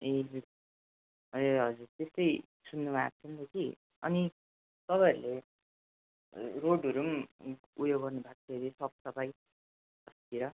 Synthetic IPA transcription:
ed͡zuɾ | eɦʌd͡zurt̪est̪ʌj | sunːubʱat͡sʰʌnd̪ʌki | ʌ̰ni | t̪ʌpaʌɾule | roɖʌɾum | ujoɡːʌrnubʱak̚t͡sʰeɾisʌp̚sʌpaj | ʌskiɾʌ

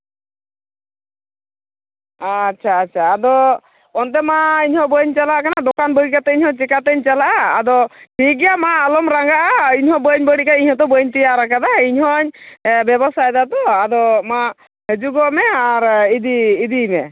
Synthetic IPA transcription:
atːt͡ʃʰaːtːt͡ʃʰaːd̪ɔ | ɔnt̪ɛmaiɲhɔ̃bəɲt͡ʃalaʔkanad̪ɔkanbəɾikat̪ɛiɲhɔt͡ʃɛkat̪əɲt͡ʃalaʔaːd̪ɔʈʰiɡɛjamaːlɔmɾaŋɡaʔaiɲɦɔ̃bəɲbəɽikaiɲhɔ̃t̪ɔbəɲt̪ijaɾakad̪aiɲɦɔɲbɛbɔsajd̪at̪ɔad̪ɔma | ɦed͡ʒuɡɔmɛaɾid̪iːd̪imɛ̰

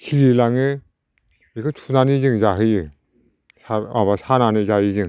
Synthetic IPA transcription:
kʰiɾilaŋɯ | ekʰɯtʰunanizɯŋzaɦɯjɯ | saabasananɯzajɯzɯŋ

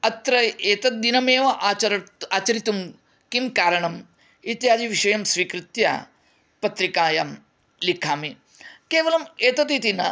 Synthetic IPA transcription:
ɐt̪ɾɐeːt̪ɐt̪̚d̪inɐmeːʋɐʔaːt͡ʃɐɾɐaːt͡ʃɐɾit̪um | kimkaːɾɐɳɐm | it̪jaːd͡ʒiʋiʃɐjɐmsʋiːkɾɪt̪jɐ̰ | pɐt̪ɾikaːjaːm | likʰaːmi | keːʋɐlɐmeːt̪ɐt̪it̪inɐ̰

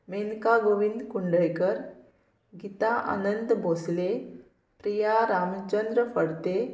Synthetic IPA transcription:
menkaɡoʋind̪kuɳɖəjkəɾ | ɡit̪aʔa̰nənd̪bʱosle | pɾijaɾamt͡ɕənd̪ɾəfəɽt̪e

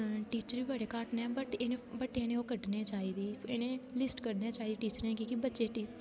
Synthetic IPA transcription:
ʈiːt͡ʃəɾiːbəɽeːkaːʈnɛːbəʈenebəʈːeːnẽoːkəɖneːt͡ʃaːɦiːd̪iːenẽːlɪsʈkəɾneːt͡ʃaːiːd̪iːʈiːt͡ʃəɾẽːkiːkibətːt͡ʃeːʈiː

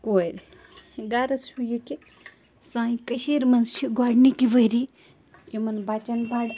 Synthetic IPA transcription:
koːiɾ | ɡaːɾɐshujuki | sãːĩkɐʃiːɾmɐnzt͡ʃʰiɡaːɽnikiʋəɾi | jimɐnbaːt͡ʃɐnbaːɽ

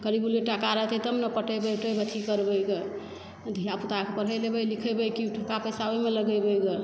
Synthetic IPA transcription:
kəɾibuleʈakaɾəɦt̪et̪əmnəpəʈʰəbəʈəjbət̪ʰikəɾbəjke | d̪ʱijaput̪akepəɽ̤əjlebəjlikʰəjbəjkiʈʰəkapəsawemeləɡəjbəjɡe

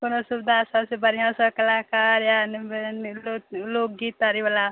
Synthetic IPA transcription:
konosubd̪ʱasʌbsebəɾiɦãsəkəlakaɾjanblolok̚ɡit̪aɾibala

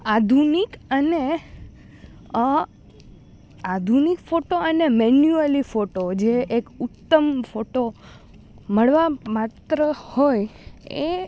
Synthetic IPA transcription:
ad̪ʱunikəne | ad̪ʱunikfoʈoənemenjuelifoʈod͡ʒeʔekʊt̪ːəmfoʈo | məɭʋamat̪ɾəhoje

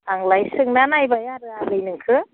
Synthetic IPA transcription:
aŋlajsɯŋnanajbajaɾɯalɯjnɯŋkʰɯ

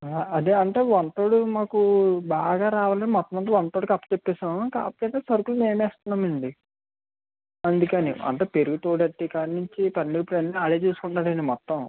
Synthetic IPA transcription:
ɐd̪eɐɳʈe̞ːʋɐnt̪oːɽumaːkubaːɡaːɾaːʋaːlɐnimɔt̪ːɐ̃mɐnt̪ɐʋɐnːɐt̪oːɽikɐpːɐ̥t͡ʃepːɛːsaːka̰ːpɐkɐt̪eːsɐɾkulume̞ːmɛːst̪unːaːmɐɳɖi | ɐnd̪ukɐnḭɐ̰ɳʈeːpe̞ɾuɡut̪oːʈɐʈːikanːuɲt͡ʃipɐnliɡɐpɾeniaːɽeːt͡ʃuːsu̥kuɳɖaːɽɐnimɔt̪ːɐ̃m

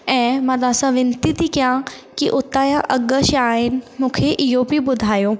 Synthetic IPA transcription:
ɛ̃ːmãd̪ãːsãʋɪ̃nt̪it̪ikijãkiʔʊt̪ãjãʔɐɠəʃaːɦɪnɪ̆mũːkʰeʔɪɦobʱiɓʊd̪ʱaːjoː

